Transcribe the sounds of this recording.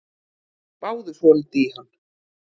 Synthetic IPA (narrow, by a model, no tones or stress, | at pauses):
paːwðʏsɔnt̪ihanː